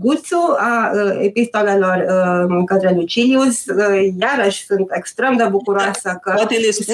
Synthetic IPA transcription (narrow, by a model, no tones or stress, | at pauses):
ɡut̪suaəepist̪o̞lelo̞rəɨŋkəd̪ɾelujt͡ʃiliusəjaɾəʃʲsunt̪ekst̪ɾe̞md̪ebukuɾoasəkət̪eles